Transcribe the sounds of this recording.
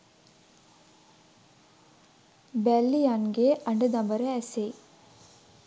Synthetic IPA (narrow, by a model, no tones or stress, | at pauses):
bæːlːijanɡeɐɳɖɐd̪ambɐɾeɛse